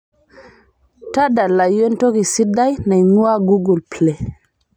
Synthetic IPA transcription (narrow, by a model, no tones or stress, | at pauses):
tadalajɔntokisidːajnajɲuwaɡuɡulplɛ